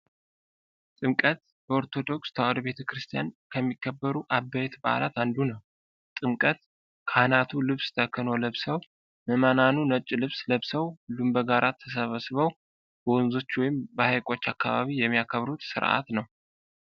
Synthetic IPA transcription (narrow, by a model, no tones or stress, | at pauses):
t̪ʼɨmkʼət̪ | bəoɾt̪ʰo̞d̪o̞kst̪ʰawad̪be̞t̪ʰəkɨɾɨst̪ʰijankʰəmːikʰːəbːəɾuʔabːajɛt̪baʔa̰la̰t̪and̪unəw | t̪ʼɨmkʼət̪ | kʰanat̪ʰulɨβst̪ʰəkʰːɨno̞ləβsəw | məmananunət͡ʃʼːlɨβsləβsəwlumbəɡaɾʔat̪ʰːəs̬əβəsβəw | b̥əwɔnzo̞t͡ʃːwɔjɪmbəhajkʼo̞t͡ʃːakːa̰βaβijɛmːijakʰəβɾut̪sɨ̰ɾʔa̰t̪nəw